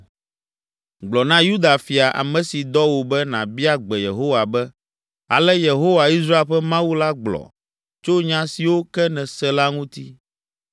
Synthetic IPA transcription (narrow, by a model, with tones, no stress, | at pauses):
ɡ͡blɔ˨nã˦ju˦d̪a˨fi˨a˨ʔa̰˨mɛ̃˨si˨d̪ɔ˦wo˨bɛ˦nã˨bi˦a˦ɡ͡bɛ˨je˨ɦo˦wa˨bɛ˦ | a̰˨lɛ˦je˨ɦo˦wa˨i˦s̬ɾa˦e˦ɸɛ˦mã˦wu˦la˦ɡ͡blɔ̰˨ | t͡ʃo˦ɲã˦si˨wo˦kɛ˦nɛ̃˨sɛ˦la˦ŋũ˦t̪i˦